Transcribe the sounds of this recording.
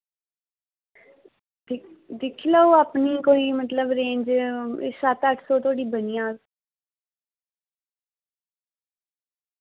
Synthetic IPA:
d̪ɪkʰlaoːaːpniːkoːiːmət̪ləbɾẽːɲd͡ʒsət̪əʈʰsoːt̪ʰoaːɽiːbənɪjãː

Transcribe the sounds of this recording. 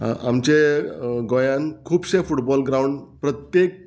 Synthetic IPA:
amt͡ɕeɡojãnkʰuːbɕẽfuʈbɔlɡɾauɳɖpɾət̪jek̚

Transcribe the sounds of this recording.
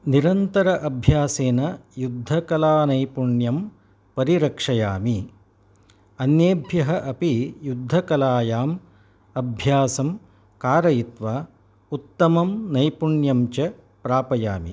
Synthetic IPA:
niɾɐnt̪ɐɾɐʔɐbʱjaːseːnɐjud̪ʱːɐkɐlaːnɐjpuɳjɐm | pɐɾiɾɐkʂɐjaːmi | ɐnjeːbʱjɐɦɐʔɐpijud̪ʱːɐkɐlaːjaːm | ɐbʱjaːsɐm | kaːɾɐjit̪ʋaː | ut̪ːɐmɐmnɐjpuɳjɐmt͡ʃɐ | pɾaːpɐja̰ːmḭ

